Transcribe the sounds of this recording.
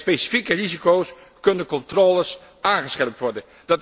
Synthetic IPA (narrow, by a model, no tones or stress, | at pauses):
spejsi̥fikərizikows | kɵnənkɔntroːləs | ʔaːnχəsχɛlp̚tʋɔɹdən | d̥ɑt